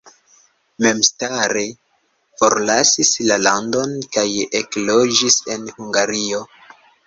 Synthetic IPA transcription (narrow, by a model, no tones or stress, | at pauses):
me̞mstaɾe | fo̞ɾlasislalando̞nkajeklo̞d͡ʒise̞nhuŋɡaɾio̞